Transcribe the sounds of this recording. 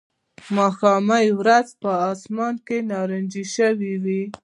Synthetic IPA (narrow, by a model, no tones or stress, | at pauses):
mɑxɑmajwɾazpəɑsmɑnkenɑɾənd͡ʒiʃəwiwi